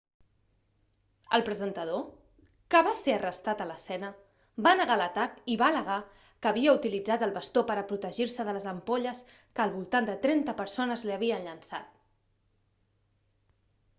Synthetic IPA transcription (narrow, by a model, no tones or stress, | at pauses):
ə̰lˠpɾəzənt̪əðo | kəβaseərəst̪at̪ələsɛnə | banəɣalət̪akiβaləɣ̞a | kəːβiəut̪ilid͡zat̪əlˠβəst̪opəɾəpɾut̪əʒiɾsəðələzəmpoʎəs | kəːlˠβulˠt̪and̪ət̪ɾɛnt̪əpəɾsonəzliəβ̞iənʎənsa̰t̪